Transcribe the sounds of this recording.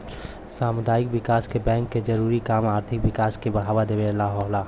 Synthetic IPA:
saːmʊd̪aːɪkwɪkaːskebɛ̃ːŋkːed͡ʒəɾuːɾikaːmaːɾt̪ʰɪkwɪkaːskebəɽ̤aːʋad̪eʋelaɦɔɦlaː

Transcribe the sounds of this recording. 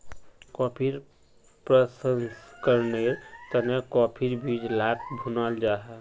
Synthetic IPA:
kɔːpʰiɾ | pɾəsənskəɾneɾt̪ənekɔːpʰiɾbʱid͡ʒlaːkbʱunəld͡ʒaːɦɛ

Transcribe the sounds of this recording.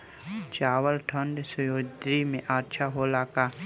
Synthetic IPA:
t͡ʃaːwəlʈʰə̃ɳɖ̪sʊjoːd̪ɾimẽʔaːɾt͡ʃʰaɦolaːka

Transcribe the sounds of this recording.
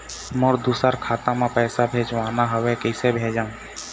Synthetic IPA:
mʊɾd̪usəɾkʰaːt̪amẽpɛːsabʱeːd͡ʒʋaːnaɦəʋekɛɪsebʱeːd͡ʒaːũ

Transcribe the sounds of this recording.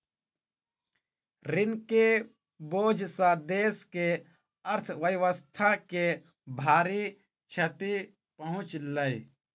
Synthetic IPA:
ɾɪnke | boːd͡ʒʱsãd̪eːske | əɾt̪ʰʋəjʋəst̪ʰake | bʱaːɾi | t͡ʃʰət̪i | pəɦʊ̃t͡ʃləi

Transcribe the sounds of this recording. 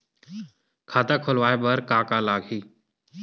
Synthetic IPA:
kʰaːt̪akʰʊlʋaːebɐɾkaːkalaːɡɦiː

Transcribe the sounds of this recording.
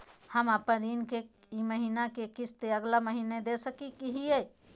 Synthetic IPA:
həməpənɾinke | iməɦinakekit͡ʃʰt̪eəɡlaməɦined̪esəkikiɦie

